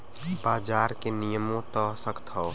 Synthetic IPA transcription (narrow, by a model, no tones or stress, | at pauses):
baːd͡ʒaːɾkenijəmõt̪ɔsəkt̪ʰɔː